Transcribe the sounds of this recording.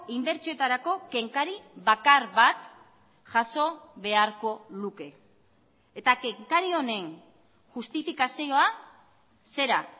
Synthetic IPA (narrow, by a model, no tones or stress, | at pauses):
imd̪e̞ɾt͡ʃoe̞t̪aɾako̞ke̞ŋkaɾiβakaɾβat̪ | ʝaso̞βe̞aɾko̞luke̞ː | t̪ake̞ŋkaɾio̞ne̞n | ʝust̪ifikasio̞a | se̞ɾa